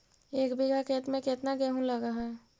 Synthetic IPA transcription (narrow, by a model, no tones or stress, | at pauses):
eːkbiɡʱaket̪mẽket̪naɡeɦũləɡaɦɛ̃